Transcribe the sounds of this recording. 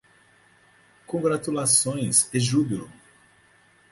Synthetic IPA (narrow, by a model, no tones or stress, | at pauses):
kõɡɾat̪ulasõj̃seʒubilu